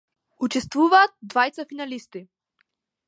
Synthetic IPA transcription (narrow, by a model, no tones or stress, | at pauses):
ut͡ʃɛst̪vuvaːt̪̚d̪vajt̪safinalist̪i